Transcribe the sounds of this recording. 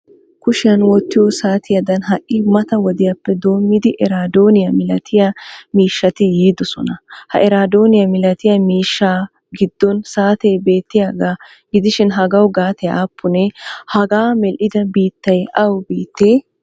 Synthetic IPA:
kʊʃɪjɐnwɔt̪ːɪjɔsaːt̪ɪjɐd̪ɐnɦɐʔːɪmɐt̪ɐwɔd̪ɪjɐpːɛd̪o̞ːmːɪd̪ɪʔɛɾaːd̪o̞ːnɪjɐmɪlɐt̪ʰɪjɐmiːʃːɐt̪ɪjiːd̪ɔsɔ̰nɐhɐʔɛɾaːd̪o̞ːnɪjɐmɪlɐt̪ɪjɐmiːʃːaː | ɡɪd̪ːɔnsaːt̪ɛjbe̞ːt̪ːɪjaːɡaː | ɡɪd̪ɪʃɪnɦɐɡɐwɡaːt̪ʰɛjaːpʰːʊnɛhɐɡaːmɛlʔɪd̪ɐbiːt̪ːɐjʔɐwbiːt̪ːeː

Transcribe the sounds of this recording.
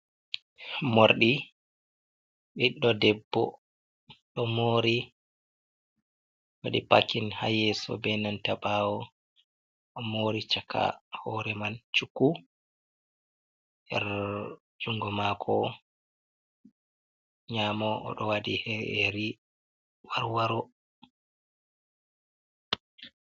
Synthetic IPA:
moɾɗi | ɓiɗːɔdɛbːɔ̰ | ɗɔmoːɾi | wa̰ɗipa̰kːinha̰jɛsɔ̰bɛnantaɓawɔ | ɔmoɾit͡ʃakʰa̰hɔɾɛmant͡ʃukːu | ʔɛɾ | d͡ʒuŋɡɔmaːkʰɔ̰ | ɲaːmɔ̰ːɗɔwadiheeɾi | waɾwaɾɔ

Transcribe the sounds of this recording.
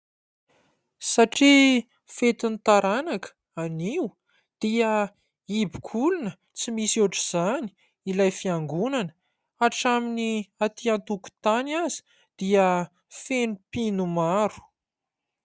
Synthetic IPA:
saʈ͡ʂi | fet̪init̪aɾanakə̥ | aniw | d̪̥iə | ibi̥kʰulunə | t͡simisuʈ͡ʂiz̥ani̥ | ilajfiaŋɡunanə̥ | aʈ͡ʂaminiat̪iant̪uku̥t̪anazi̥ | d̪̥iə | fenupinumaɾu̥

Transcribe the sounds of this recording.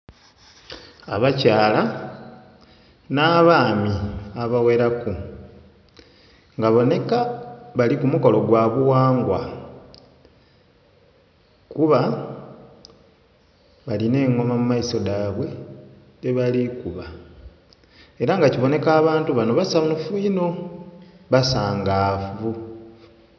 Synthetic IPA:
aβacaːla | naːβaːmiaβawe̞ɾaku | ŋɡaβo̞ne̞kaβalikumuko̞lo̞ɡwaːβuwaːŋɡwa | kuβa | βaline̞ːŋːo̞mamumaiso̞daβwe̞ | teβalikuβa | e̞ɾaŋɡaciβo̞ne̞kaːβaːntuβano̞βasamufuino̞ | βasaːŋɡaːfu

